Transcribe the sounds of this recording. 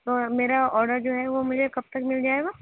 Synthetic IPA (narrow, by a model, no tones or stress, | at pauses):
t̪oːmeːɾaɔːɾɖəɾd͡ʒoːɦɛʋomʊd͡ʒʱekɐb̚t̪ɐkmɪld͡ʒaːeːɡaː